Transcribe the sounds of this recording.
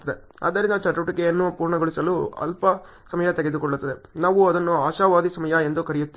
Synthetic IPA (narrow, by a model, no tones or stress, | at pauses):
ɐd̪e | ɐ̰ːd̪ːɐɾind̪ɐt͡ʃɐʈɐʈikeɐnːupuːɾɳɐɡoɭisɐluɐ̰lpɐ | sɐmɐjɐt̪ɛɡe̞d̪ukɔɭːut̪ːɐd̪enaːʋuɐd̪ɐnːuaːʃaːʋaːd̪isɐmɐjɐe̞nd̪ukɐɾijut̪ːi